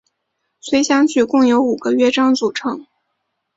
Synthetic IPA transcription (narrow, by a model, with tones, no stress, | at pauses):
sʰwe˧˥ɪɕjɑ˥ŋt͡ɕʰy˥˩kʊ˥˩ŋjo˧˥ʊu˨˩ɡ̥ə˦ɥɛ˥ʈ͡ʂɑ˥ŋt͡su˨˩ʈ͡ʂʰɤ˧˥ŋ